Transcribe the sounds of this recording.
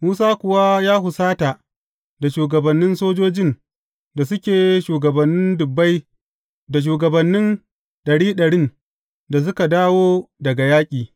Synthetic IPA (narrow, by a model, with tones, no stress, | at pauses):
muː˦saː˦kʷʊ˨wa˦jaː˦ɦʊ˨saː˦ta˨ | da˨ʃuː˨ɡɐ˨bɐ˨nːɪ˦nsoː˦d͡ʒoː˦d͡ʒɪ˦n | da˨s̬ʊ˦kʲeː˨˦ʃuː˨ɡɐ˨bɐ˨nːɪ˦ndʊ˨bːa˦j | da˨ʃ̬uː˨ɡɐ˨bɐ˨nːɪ˦n | ɗɐ˨ɽiː˦ɗɐ˨ɽɪ˦n | da˨s̬ʊ˦ka˨daː˦woː˦dɐ˨ɡa˨jaː˦kʲʼiː˨